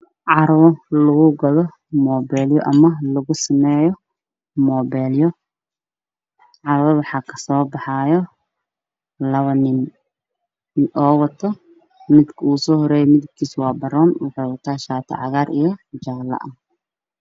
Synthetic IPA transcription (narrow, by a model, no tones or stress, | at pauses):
ʕɑɾɐwɔlɐɣʊɡɐðɔ | mɔːbɛːljɔʔɐmɐlɐɣʊsɐmɛːjɔ | mɔːbɛːljɔ | ʕɑɾɐwɔwɑħɑːkʰɐ̥sɔːbɑħɑːjɔ | lɐβɐnɪn | ʔɔːwɑt̪ʰɔ | mɪd̪kʰɐuːsɔːhɔɾɛːjɔmɪðɪb̚kʰiːswɑːbɐɾɔːnwɑħɔwɐt̪ʰaːʃaːt̪ʰɐ̰ʕɑ̰ɣaːɾʔḭjɔd͡ʒaːlɐ̰ʔɐ